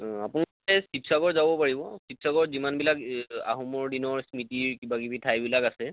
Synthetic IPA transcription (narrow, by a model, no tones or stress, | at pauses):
apun | ɛsipsaɡɔɹzabɔpaɹibɔsip̚saɡɔɹzimanbilaka̰ɦumɔɹdinɔɹsmitiɹkibakibitʰajbilakasɛ